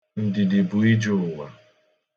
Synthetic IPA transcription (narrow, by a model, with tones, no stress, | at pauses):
n̩˨dɪ˨dɪ˨bʊ˨i˦d͡ʒʊ˨ʊ˨wa˨